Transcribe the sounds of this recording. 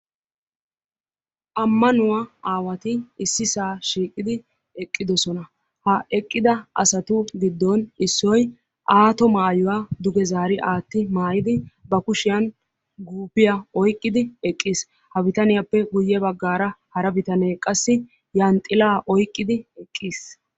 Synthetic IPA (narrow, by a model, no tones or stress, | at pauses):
ʔɐmːɐnʊwaaːwɐt̪ɪɪsːɪsaːʃiːkʼɪd̪ɪ | ɛkʼːɪd̪ɔsɔnɐ | hɐɛkʼːɪd̪ɐʔɐ̰sɐt̪ʊɡɪd̪ːɔnɪsːɔj | ʔaːt̪ɔmaːjʊwaːd̪ʊɡɛzaːɾɪʔaːt̪ːɪmaːjɪd̪ɪbɐkʊʃɪjɐn | ɡuːpɪjɐɔjkʼːɪd̪ɪɛkʼːiːs | hɐbɪt̪ɐnɪjɐpːɛɡʊjːɛbɐɡːaːɾɐhɐɾɐbɪt̪ɐneːkʼɐsːɪ | jant̪ʼɪlaːʔɔjkʼːɪd̪ɪɛkʼːiːs